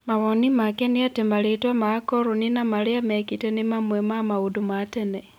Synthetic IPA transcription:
maβonimakeniatemalitwamaakoɾuninamaliamekitenimamwemamaudumatene

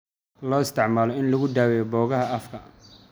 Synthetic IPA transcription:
lɔːɪst̪ʰɪʕmaːlɔɪnlɐɣʊd̪aːwɛjɔbɔːɣɐɦɐɐfkʰɐ

